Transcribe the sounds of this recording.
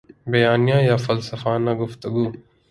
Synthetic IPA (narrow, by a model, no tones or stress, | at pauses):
bɐjaːnijãːjaːfɐlsəfaːnaːɡʊft̪əɡuː